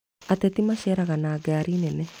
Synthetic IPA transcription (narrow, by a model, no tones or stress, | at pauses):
at̪ɛt̪imaʃɛɾaɣanaːɡaːɾinɛnɛ